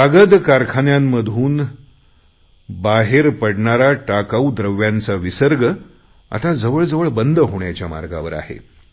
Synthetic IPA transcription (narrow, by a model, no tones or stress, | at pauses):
aɡəd̪kaɾkʰanjamːəd̪ʱuːn | baɦeɾpəɽɳaɾaʈakaud̪ɾəʋjant͡saʋisəɾɡə | a̰t̪ad͡zəʋəɭd͡zəʋəɭbənd̪əɦoɳjat͡ɕjama̰ɾɡa̰ʋəɾa̰ɦḛ